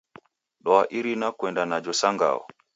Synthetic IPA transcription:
ɗɔaʔiɾinakwɛndanad͡ʒɔsaŋɡa̰ɔ̰

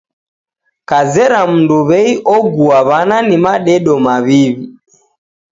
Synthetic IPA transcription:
kazɛɾam̩nduβɛiʔɔɡuaβananimaɗɛɗɔmaβiβi

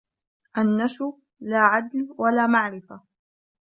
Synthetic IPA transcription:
ʔanːaʃʊ | laːʕad̪lwalaːmaʕɾɪfa

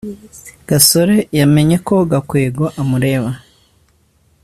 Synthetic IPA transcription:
ɡ̥aso̞ɾe̞jame̞ɲe̞ko̞ɡakweːɡo̞ʔamuɾe̞ːβa

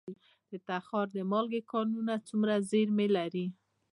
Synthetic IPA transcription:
d̪̥ət̪axɑɾd̪əmɑlɡekɑnunat͡sumɾazeɾmelaɾi

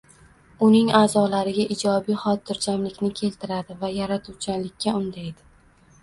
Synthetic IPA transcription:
ʊnɪŋaːzɒlaɾɪɡʲaʔɪd͡ʒɒbijχɒt̪̚ːɪɾd͡ʒamlɪkʲnɪkʲʰe̞lt̪ʰɪɾad̪ɪvajaɾat̪ʰuwt͡ʃʰanlɪkʲːaʊnd̪aed̪ɪ

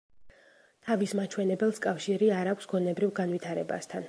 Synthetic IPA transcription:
t̪ʰavismat͡ʃʰwɛnɛbɛlˠskʼafʃiɾiaɾakʷʰsɡɔnɛbɾivɡanvit̪ʰaɾɛba̰st̪ʰan

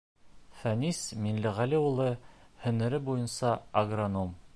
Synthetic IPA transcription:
fænisminlɘʁæliulˠɤhɵ̆nɘ̆ɾɘbujɤ̆nsɑɐɡronom

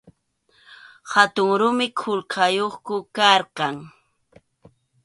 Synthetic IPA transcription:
hat̪ʊŋɾʊmɪkʰʊlqʰɑjoχkʊkɑɾqɑŋ

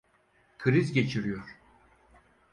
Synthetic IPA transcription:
kʰɯɾizɟe̞t͡ʃʰiɾijoɾ̥

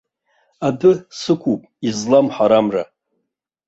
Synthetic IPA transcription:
adɨsɨkʷʰupʼizlamħaɾamra

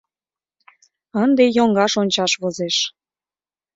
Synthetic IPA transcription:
ənd̪ejoŋɡɑʃonʲt͡ɕɑʃβozeʃ

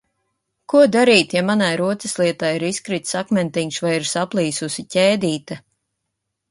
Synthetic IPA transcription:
kuɔd̪aɾiːt̪jamanajɾuɔt̪sɛslˠiɛt̪ajiɾiskɾit̪sakmʲɛnt̪iŋksvajiɾsaplˠiːsusicʲɛːd̪iːt̪a

